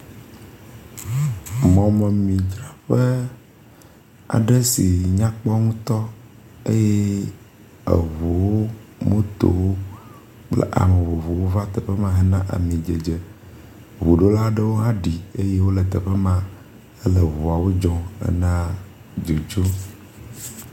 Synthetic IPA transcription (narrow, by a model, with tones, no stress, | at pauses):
mɔ̃˨mɛ˨mĩ˨d͡ʒɾa˦ɸe˦ | a̰˨ɖɛ˦si˨ɲã˦k͡pɔ˦ŋũ˦t̪ɔ˦ | e˦jɛ˦ | ḛ˨βo˨wo˦mõ˦t̪o̰˨wo˦ | k͡plɛ̰˦ʔa̰˨me˨βo˨βo˨wo˦va˦t̪ɛ˨ɸɛ˦mã˦ɦɛ˦nã˦ʔa̰˨mĩ˨d͡ʒe˨d͡ʒɛ˨ | βo˨ɖo˦la˦ɖə˦wo˦ɦã˦ɖi˨e˦je˦wo˦lɛ˨t̪ə˨ɸɛ˦mã˦ | e˦lə˨βo˨a˨wo˦d͡ʒɔ̃˦ɛ̰˦nã˦ | d͡ʒo˨d͡ʒo˦